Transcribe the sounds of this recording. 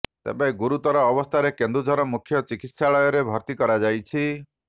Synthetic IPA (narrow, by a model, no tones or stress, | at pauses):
t̪ḛbeɡuɾut̪ɔɾɔːbɔst̪ʰaɾekend̪ɾud͡ʒʱɔɾɔmukʰjɔt͡ʃikit̪saɭɔjɔɾebʱɔɾt̪ikɔɾad͡ʒajt͡ʃʰi